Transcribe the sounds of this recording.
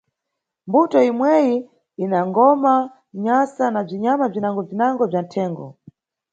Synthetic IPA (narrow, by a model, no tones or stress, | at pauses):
mbutɔimwɛji | inaŋɡɔma | ɲasanab͡ʐiɲamab͡ʐinaŋɡɔb͡ʐinaŋɡɔb͡ʐan̩tʰɛːŋɡɔ̰